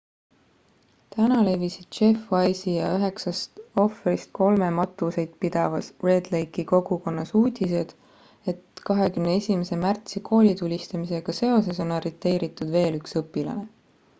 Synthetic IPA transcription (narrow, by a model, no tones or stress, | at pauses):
t̪ænɑle̞visid̪̥t͡ʃe̞fvɑjsijɑyɦe̞ksɑst̪o̞fɾist̪̚ko̞lme̞mɑt̪ːˑuse̞jd̪̥̚pid̪̥ɑvɑsre̞d̪lejkiko̞ɡ̥uko̞nːɑsuːd̪̥ʲise̞d̪̥ | e̞t̪kɑɦe̞kymneesʲimese̞mært̪sikʰo̞ːlʲit̪ulʲist̪ɑmise̞ɡ̥ɑse̞o̞se̞so̞nɑɾit̪ːˑe̞ːɾit̪ːˑud̪ve̞ːlyksɤpːˑilɑ̰ne̞